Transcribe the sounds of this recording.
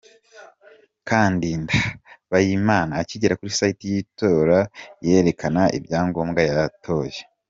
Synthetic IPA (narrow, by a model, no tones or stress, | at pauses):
kʰaːndindaβajimaːnaːciɟeɾakuɾisaitijito̞ːɾajeɾe̞kʰanaʔḭbɟaːŋɡo̞ːmɡajatʰo̞ːje